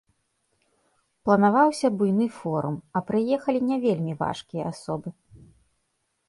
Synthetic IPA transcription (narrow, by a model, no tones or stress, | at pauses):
plˠɐnavawsʲɐbujnɨfɔɾumɐpɾɨjɛxɐlʲinʲavʲelʲmʲiva̰ʂkʲijɐ̰asɔbɨ